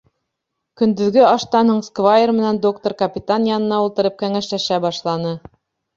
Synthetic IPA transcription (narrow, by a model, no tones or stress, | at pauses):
kɵ̆nd̪ɵ̆ðɡɘɑʃt̪ɑnoɴskvajermɘ̆nænd̪okt̪oɾkɐpʲit̪anjɑnɤ̆nɑulˠt̪ɤ̆ɾɤp̚kæŋæʃlæʃæbɑʃlˠɑnɤ